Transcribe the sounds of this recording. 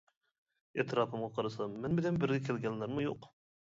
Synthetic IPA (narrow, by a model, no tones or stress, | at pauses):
et̪ʰɾɑːpʰɨmʁɑqʰɑɾɨsɑmːɛnbɪlɛnbɪɾɡʲɛkʲʰelɡʲɛnlːæɾmujoq